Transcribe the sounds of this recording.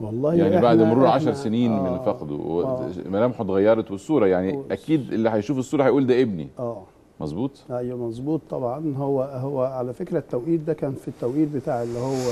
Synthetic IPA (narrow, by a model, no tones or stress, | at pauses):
wɑlˤːɑːhjaʕnibaʕd̪moɾuːɾʕaʃɑɾˤseniːnmenfɑqd̪o̰wḛmælæːmħot̪ɣæjːɑɾˤɑt̪besˤːuːɾˤɑjaʕniʔækiːd̪ʔelːiħæjʃuːfesˤːuːɾˤɑhɑjʔuːld̪æːʔebnḭʔæː | mɑzˤbuːt̪ˤæjːmɑzˤbuːt̪ˤːɑbʕɑnhowːæhowːæʕalæfekɾæt̪ːæwʔiːd̪d̪ækæːnfit̪ːæwʔiːd̪̚bet̪aːʕelːihowːæ